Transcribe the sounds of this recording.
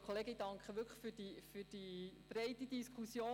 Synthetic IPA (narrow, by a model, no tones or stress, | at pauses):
kʰoleːɡəid̥ɑŋkχəʋʏɾkʰə̥χfyd̥ifyd̥ib̥ɾɛɪtid̪iskʰχusjoː